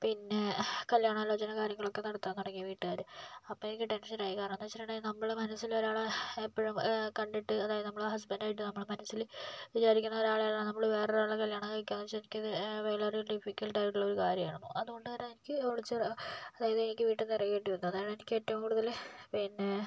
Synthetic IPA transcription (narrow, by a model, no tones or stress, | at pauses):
pinːekɐljaːɳaːlo̞ːd͡ʑɐnɐkaːɾjɐŋːɐɭo̞kːe̞nɐɽɐt̪ːaːnːɐɽɐkːijɐʋiːʈːɨaːɾumɐpːoːenikʲːɨʈe̞nʂɐnaːjikːaːrɐnːet͡ɕːiʈːɐɳɖaːjinɐmːɐɭmɐnɐsːilo̞ɾaːɭeepːɐɻɐmkɐɳɖiʈːɨɐðaːjɐðɨnɐmːɐɭɦɐs̬bɐndaːjiʈ̬ːɨnɐmːɐɭmɐnɐsːilʋit͡ɕaːɾikʲːunːɐoɾaːɭejaːlanɐmːɐɭʋe̞ːreɾaːɭekɐljaːɳɐkɐɭkʲːaːnːɐt͡ɕːenikʲːɐðɨʋeːɭɐrijilɖifikʲːɐlʈaːjiʈːuɭːɐoɾukaːɾjɐma̰ːɳɳṵʔɐðuɣo̞ɳɖɨɐːɾaenikʲːɨoɻit͡ɕːɐɐðaːjɐðɨenikʲːɨʋiːʈːɨnirɐkːeːʈːiʋɐnːuɐðaːjɐɽenikʲːetːɐʋɐmkuːɽuðɐlpinːe